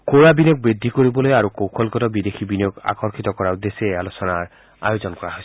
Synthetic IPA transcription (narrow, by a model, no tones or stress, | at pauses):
koɹabinjok̚bid̪ʱikoɾibɔlojaɾukowkʰɔlkɔtɔbid̪ekʰibinɔka̰kɔɾkʰit̪ɔkɔɾaud̪esealosɔnaɹ | a̰jod͡ʒɔnkɔɾaɦos